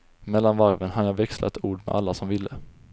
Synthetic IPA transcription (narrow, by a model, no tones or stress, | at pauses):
mɛlːanvaɾvənɦad̪əjɑːvɛkslʔa̰t̪ʰuːɖmɛ̰ʔalːasɔmvɪlːə